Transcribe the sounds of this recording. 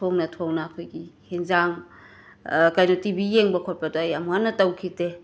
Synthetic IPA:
tʰoŋnɐtʰoŋnɐːkʰojɡihinzaŋ | kajnotibijeŋbɐkʰot̚pɐdoajɐmuŋanːɐtɐwkʰite

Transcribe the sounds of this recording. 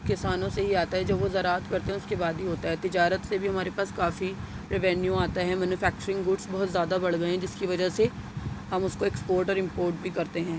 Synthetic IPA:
kɪsaːnõseɦiaːt̪aɦɛd͡ʒɐbʋozɐɾaːət̪kɐɾt̪ẽɦɛ̃ʊskebaːd̪ɦiɦoːt̪aɦɛt̪ɪd͡ʒaːɾət̪sebʱiɦɐmaːɾepaːskaːfi | pɾɛʋɛ̃ːnjũaːt̪aɦɛmɛːnufɛːk̚t͡ʃəɾɪ̃ŋɡɡʊɖsbɐɦʊt̪zʲjaːd̪abɐɽɡɐẽd͡ʒɪskiʋɐd͡ʒəseɦɐmʊskoekspoːɾʈɔːɾɪ̃mpoːɾʈbʱikɐɾt̪eɦɛ̃ː

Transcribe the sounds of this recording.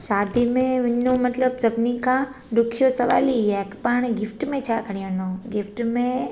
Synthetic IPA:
ʃaːd̪imẽʋɐɲõmɐt̪ləbsɐbnikʰã | ɖʊkʰijosɐʋa̰ːliɦakpaɽ̃ɡɪfʈmẽt͡ɕʰakʰɐɽ̤̃ijõnõɡɪfʈmẽ

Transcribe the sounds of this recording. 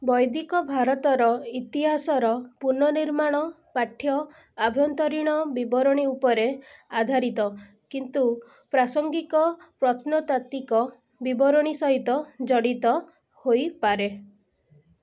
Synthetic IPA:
bɔjd̪ikɔbʱaɾɔt̪ɔɾɔit̪iɦasɔɾɔpuɾnɔniɾmaɽ̃ɔ | paʈʰːjɔ | abʱjɔnt̪ɔɾiɽ̃ɔbibɔɾɔɽ̃iupɔɾead̪ʱaɾit̪ɔ | kint̪u | pɾasɔŋɡikɔpɾɔt̪nɔt̪at̪ikɔ | bibɔɾɔɽ̃isɔɦit̪ɔd͡ʒɔɽit̪ɔ | hojpaɾe

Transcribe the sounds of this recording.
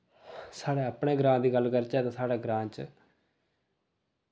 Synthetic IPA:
saːɽeːəpɳeːɡɾãːd̪iːɡəlɡəɾt͡ʃɛːt̪ãːsaːɽaːɡɾãːt͡ʃ

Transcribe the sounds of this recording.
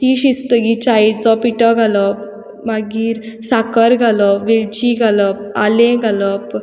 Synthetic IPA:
t̪iɕist̪əɡit͡ɕajt͡sɔpiʈɔɡʱalɔ | maɡiːɾsakəɾɡʱalɔʋilt͡ɕiɡʱaləp̚alẽɡʱaləp

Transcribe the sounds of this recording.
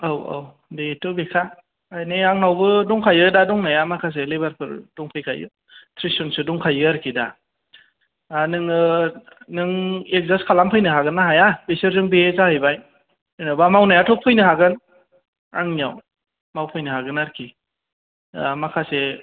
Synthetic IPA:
awa̰w | betɯbekʰaː | jneaŋnawbɯdɔŋkʰajɯdadɔŋnajamakʰas̬elebaɾpʰɯɾdɔŋpʰɯjkʰa̰jɯ̰ | tʰɾisɔnsɯdɔŋkʰajɯaɾkʰida | nɯŋɯ | nɯŋek̚zaskʰalampʰɯjnɯɦaɡɯnaɦajabesɯɾzɯŋbeezahɯjbaj | ɯnabamawnajatʰɔk̚pʰɯjnɯɦaɡɯn | aŋnijaw | mawpʰɯjnɯɦaɡɯnaɾkʰi | makʰase

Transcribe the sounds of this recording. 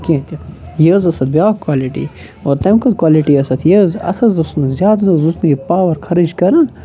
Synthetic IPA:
kʲẽt̪ʲijəzɐsɐt̪̚bjaːkwaːliʈḭ | oɾt̪ɐmkɐd̪̚kwaːliʈiɐsɐt̪ʰjəzɐ̰sɐzɐsnɨzʲjaːd̪nɐzusnɡipaːʋɐɾkʰɐɾid͡ʒkɐɾɐn

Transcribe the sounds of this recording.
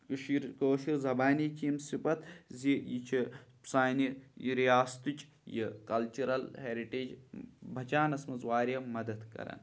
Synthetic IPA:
kʃiɾkoːʃiɾzɐbaːnikimsipɐt̪zijit͡ʃʰi | saːniɾijaːst̪ut͡ʃ | jikɐlt͡ʃuɾɐlheːɾiʈeːd͡ʒbʱɐt͡ʃaːnɐsmɐzwaːɾɐmɐd̪ɐd̪kɐ̰ɾɐ̰n

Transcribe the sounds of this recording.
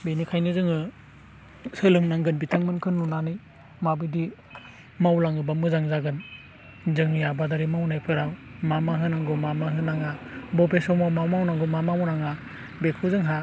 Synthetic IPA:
benikʰajnɯzɯŋɯ | sɯlɯŋnaŋɡɯnbitʰaŋmɯnkʰɯnːunanɯj | mabɯdi | mawlaŋɯbamɯzaŋzaɡɯn | zɯŋjabadaɾimawnajpʰɯɾawmamaɦɯnaŋɡɯmamaɦɯnaŋabɔpesɔmawmawmawnaŋɡɯmamamɔnaŋa | bekʰɯzɯŋɦa

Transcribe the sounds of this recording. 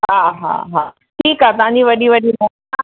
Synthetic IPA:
ɦaːɦa̰ːɦaː | ʈʰiːkaːt̪ɐʋãɲd͡ʑiʋɐɗiʋɐɗinɐ | a

